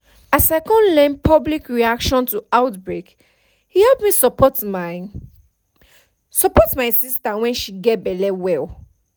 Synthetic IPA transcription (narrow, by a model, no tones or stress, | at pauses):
asaɪkɔ̃nlɛ̃npʰɔblikɹiakʃɔ̃ntuaʊtbɹek | hihɛlpmisɔpɔm | sɔpɔtmaɪsistawɛ̃nʃiɡɛt̚bɛlɛwɛl